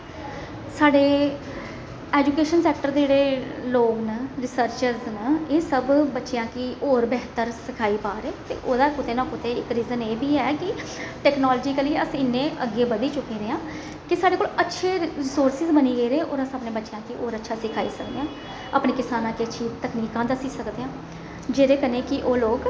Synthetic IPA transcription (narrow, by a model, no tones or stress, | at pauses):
saːɖeː | ɛːd͡ʒuːkeːʃənsɛːk̚ʈəɾd̪d͡ʒeːɽeːloːɡnəɾɪsəɾt͡ʃəɾznəeːsəbbətːʃeãːkiːʔoːɾbɛɦt̪əɾsɪkʰaːiːpaːɾeːt̪ḛːʔoːd̪aːkʊt̪eːnãːkʊt̪eːɪkɾiːzəneːbiːɛːkɪʈɛːknɔːlːd͡ʒiːkəliːəsĩːɪnːẽːʔəɡeːbəd̪iːt͡ʃʊkːẽːɾeãː | kɪsaːɖeːkoːlətːʃʰeːɪsoːɾsɪzbəniːɡəiːɾeːʔo̰ːɾãsaːpneːbətːʃejãːkiːʔoːɾətːʃʰaːsɪkʰaːḭːsəkd̪eãː | a̰ːpneːkɪsaːnãːkiətːʃʰiːt̪əkniːkãːd̪əsiːsəkd̪eːãː | d͡ʒeːɾeːkəneːkɪʔoːloːɡ